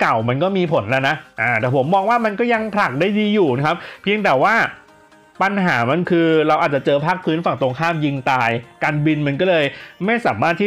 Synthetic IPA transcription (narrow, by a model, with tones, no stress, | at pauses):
ka˨˩wma˧nkɔː˥˩miː˧pʰo˩˦nlɛː˧wna˦˥ʔaː˧˩t̪ɛː˨˩pʰo˩˦mːɔː˧ŋwaː˥˩ma˧nkɔː˥˩ja˧ŋpʰɾa˨˩k̚daː˥˩jdiː˧juː˨˩na˦˥kʰa˦˥p̚pʰːi˧əŋt̪ɛː˨˩waː˥˩ | pa˧nɦaː˩˦ma˧nkʰɯː˧ɾa˧wʔaː˨˩t̪̚t͡ɕa˨˩t͡ɕɤː˧pʰaː˥˩k̚pʰɯː˦˥nfa˨˩ŋt̪o˧ŋkʰaː˥˩mji˧ŋt̪aː˧jkaː˧nbi˧nma˧nkɔː˥˩lɤː˧jma˥˩jsaː˩˦maː˥˩t̪ʰːiː˥˩